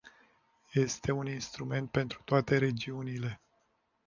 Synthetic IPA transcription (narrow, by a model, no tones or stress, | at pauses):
je̞st̪e̞uninst̪ɾume̞nt̪̚pe̞nt̪ɾu̥t̪oat̪e̞ɾe̞d͡ʒiunile̞